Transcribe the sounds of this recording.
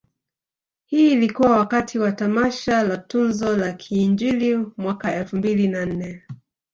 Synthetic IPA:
hiːlikuwawakatʰiwatamaʃalatunzɔlakʰiːnd͡ʒilimwakaɛlfumbilinan̩nɛ

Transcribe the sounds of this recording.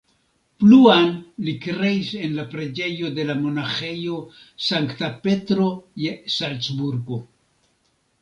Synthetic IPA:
pluanlikɾe̞ise̞nlapɾe̞d͡ʒe̞jo̞de̞lamo̞naχe̞jo | saŋktape̞tɾo̞jesalt͡sbuɾɡo̞

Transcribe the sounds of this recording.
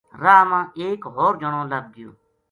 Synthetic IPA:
ɾaːmãːʔeːkɦoːɾd͡ʒənõːləb̚ɡɪjo̰ː

